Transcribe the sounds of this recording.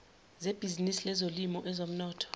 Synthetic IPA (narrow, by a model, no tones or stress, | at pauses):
zeb̥ʱizinisilɛzolimɔʔɛzom̩nɔːtʰɔ̥